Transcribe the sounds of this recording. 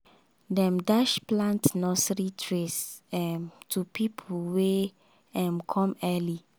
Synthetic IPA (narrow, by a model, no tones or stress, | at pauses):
dɛ̃mdaʃplãntnɔsɹitʰɹesɛmtʰupʰipʰulwe | ɛmkʰɔ̃mɛli